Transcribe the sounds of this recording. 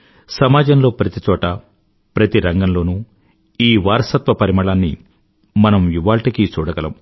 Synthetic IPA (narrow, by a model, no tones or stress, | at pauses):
sɐmaːd͡ʒɐmlo̞ːpɾɐt̪it͡ʃɔːʈɐ | pɾɐt̪iɾɐŋɡɐmlo̞ːnu | iːʋaːɾɐsɐt̪ʋɐpɐɾimɐɭaːnːi | mɐnɐmiʋaːɭʈikit͡ʃuːɽɐɡɐlɐm